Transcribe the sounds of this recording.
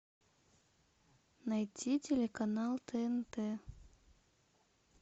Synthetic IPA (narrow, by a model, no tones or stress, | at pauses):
nɐjtʲitʲelʲekɐnalˠt̪ɛɛnt̪ɛ